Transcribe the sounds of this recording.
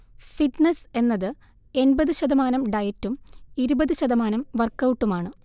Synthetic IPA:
fiʈnese̞nːɐðɨ | e̞nbɐðɨɕɐðɐmaːnɐmɖɐjɐtːumiɾubɐðɨɕɐðɐmaːnɐmʋɐrkːɐwʈːumaːɳɨ

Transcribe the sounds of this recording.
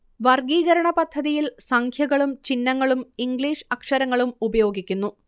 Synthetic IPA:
ʋɐrɡiːɣɐɾɐɳɐpɐd̪ʱːɐðijilsɐŋkʰjɐɣɐɭumt͡ɕinːɐŋːɐɭumiŋɡɭiːʂɐkʂɐɾɐŋːɐɭumubɐjo̞ːɡikʲːunːu

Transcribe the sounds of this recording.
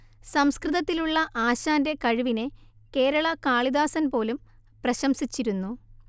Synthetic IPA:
sɐmskrɨðɐt̪ːiluɭːɐʔaːɕaːnde̞kɐɻuʋine̞ | ke̞ːɾɐɭɐkaːɭiðaːsɐnpo̞ːlum | prɐɕɐmsit͡ɕːiɾunːu

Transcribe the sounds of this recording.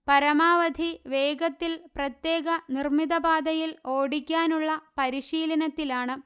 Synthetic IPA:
pɐɾɐmaːʋɐd̪ʱiʋe̞ːɡɐt̪ːilprɐt̪je̞ːɡɐnirmid̪ɐbaːd̪ɐjiloːɽikʲːaːnuɭːɐpɐɾiɕiːlɐnɐt̪ːilaːɳɨ

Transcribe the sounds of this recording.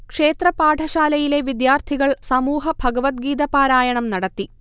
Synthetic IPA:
kʂe̞ːt̪rɐpaːʈʰɐɕaːlɐjile̞ʋid̪jaːrt̪ʰiɣɐɭsɐmuːɦɐbʱɐɡɐʋɐt̪̚ɡiːd̪ɐpaːɾaːjɐɳɐmnɐɽɐt̪ːi

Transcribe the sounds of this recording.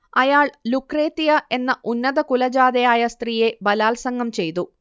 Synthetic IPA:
ɐjaːɭlukreːt̪ːijɐʔe̞nːɐʔunːɐðɐkulɐd͡ʑaːd̪ɐjaːjɐst̪riːje̞bɐlaːlsɐŋɡɐmt͡ɕe̞jt̪u

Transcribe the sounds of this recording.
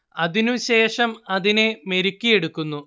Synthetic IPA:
ɐðinuɕe̞ːʂɐmɐðine̞me̞ɾukʲːije̞ɽukːunːu

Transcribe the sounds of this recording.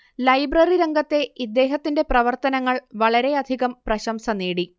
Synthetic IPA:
lɐjbrɐriɾɐŋɡɐt̪ːe̞id̪ːe̞ːɦɐt̪ːinde̞prɐʋɐrt̪ɐnɐŋːɐɭʋɐɭɐɾe̞ɐd̪ʱiɣɐmprɐɕɐmsɐneːɽi

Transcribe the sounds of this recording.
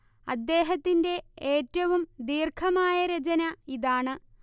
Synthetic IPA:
ɐ̰d̪ːe̞ːɦɐt̪ːinde̞eːtːɐʋumd̪iːrkʰɐmaːjɐɾɐt͡ɕɐnɐiðaːɳɨ

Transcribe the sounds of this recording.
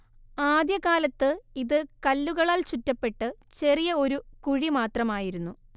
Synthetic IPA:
aːd̪jɐkaːlɐt̪ːɨiðɨkɐlːuɣɐɭaːlt͡ɕutːɐpːe̞ʈːɨt͡ɕe̞rijɐo̞ɾukuɻimaːt̪rɐmaːjiɾunːu

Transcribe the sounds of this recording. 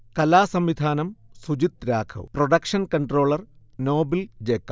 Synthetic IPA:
kɐlaːsɐmʋid̪ʱaːnɐmsud͡ʑit̪ɾaːkʰɐ̰wproɖɐkʂɐnkɐɳʈro̞ːɭɐrnoːbild͡ʑeːkːɐ

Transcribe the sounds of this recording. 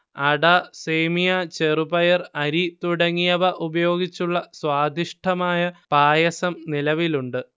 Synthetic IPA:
ɐɽaseːmijat͡ɕerubɐjɐrɐɾit̪uɽɐŋːijɐʋɐʔubɐjo̞ːɡit͡ɕːuɭːɐswaːd̪ʱiʂʈʰɐmaːjɐpaːjɐsɐmnilɐʋiluɳɖɨ

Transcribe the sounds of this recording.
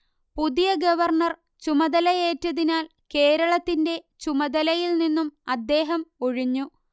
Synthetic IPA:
puðijɐɡɐʋɐrɳɐr | t͡ɕumɐðɐlɐjeːtːɐðinaːl | ke̞ːɾɐɭɐt̪ːinde̞ | t͡ɕumɐðɐlɐjilninːumɐd̪ːe̞ːɦɐmoɻiɲːu

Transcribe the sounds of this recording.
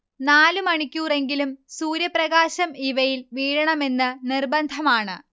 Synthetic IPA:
naːlumɐɳikʲːuːre̞ŋɡilumsuːɾjɐprɐɣaːɕɐmiʋɐjilʋiːɻɐɳɐme̞nːɨnirbɐnd̪ʱɐmaːɳɨ

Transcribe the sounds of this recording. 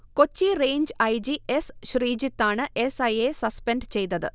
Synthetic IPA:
kot͡ɕːireːɲd͡ʑɐjd͡ʑiesɕriːd͡ʑit̪ːaːɳɨʔesɐjesɐspeɳɖt͡ɕe̞jt̪ːɐðɨ

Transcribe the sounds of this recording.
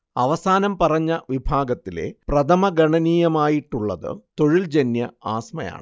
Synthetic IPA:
ɐʋɐsaːnɐmpɐrɐɲːɐʋibʱaːɡɐt̪ːile̞̰prɐt̪ʰɐmɐɡɐɳɐniːjɐmaːjiʈːuɭːɐðɨ̰t̪o̞ɻild͡ʑenːjɐa̰ːsmɐja̰ːɳɨ

